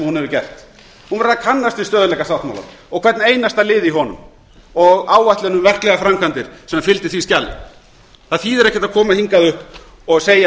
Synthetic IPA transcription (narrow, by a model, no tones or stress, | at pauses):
mhunhɛvʏɾcɛr̥t̪ | hunaɾðakʰanːast̪ɪst̪œːðʏlɛːkast̪awht̪ma̰wla̰ɾɔɣkʰvɛɾt̪nejnast̪alɪːðiɦɔnʏ̰m | ɔɣaːwvajht̪lɛnʏmvɛr̥klɛɣafɾamkʰant̪ɪɾ̥sɛmːafɪlt̪ɪ̥θviscalːɪ̰ | θaðθiðɛɾɛhcːɛt̪aðkʰɔːmahiŋkaðʏhp | ɔɣseːja